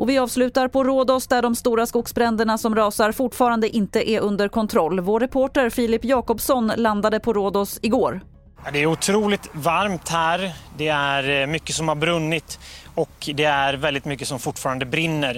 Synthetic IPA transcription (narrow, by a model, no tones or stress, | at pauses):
ʔɔvɪɑːvslʉ̟ːt̪aɾpʰɔɾoːd̪ɔsd̪æɖɔmst̪uːɾaskʊɡsbɾɛnd̪əɳasɔmɾɑːsaɾfʊʈːfɑːɾand̪əʔɪnt̪əʔɛʔɵnd̪əɾkʰɔnt̪ʰɾɔlːvoːɾɛpʰoːʈəɾfɪːlɪpːjɑːkɔpsɔnland̪ad̪əpʰɔɾoːd̪ɔsɪɡoːɾ | ɑd̪ɛæɾʊt̪ʰɾuːlɪt̪vaɾmt̪hæːɾd̪ɛæɾmʏkːəsɔmhaɾbɾɵnːɪt̪ɔkd̪ɛæɾvɛld̪ɪt̪mʏkːəsɔmfʊʈːfɑːɾand̪əbɾɪnːəɾ